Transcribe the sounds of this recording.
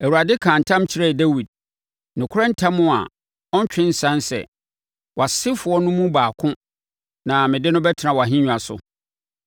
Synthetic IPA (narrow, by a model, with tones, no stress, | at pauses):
æ˨wu˨ɾa˨dɪ˦kʰãː˨n̩˨tʰã˦mt͡ɕʰi˨ɾɛ˦˨de˦wi˨d̚ | nɪ̃˨kʰʊ˦ɾɛ̃˦n̩˦tʰa˦mːʊ̃˦a̰˨ | ɔ˦ɲ˦t͡ɕᶣɪ̃˦n̩˦sã˦nsɛ̰˨ | wʔa˨sɪ˦fʊ˨ɔ˦nʊ̃˦mũ˦baː˨kʰʊ̃˦ | nã˨mɪ̃˨dɪ˦nʊ̃˦bɛ˦tʰɪ˨nã˨wɔ˨a˨ɦɪ̃˦ɲᶣ˨a˨sʊ̰˨